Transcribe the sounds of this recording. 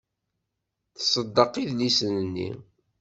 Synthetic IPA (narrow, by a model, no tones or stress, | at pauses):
θsˤəd̪ːəqiðlisənənːḭ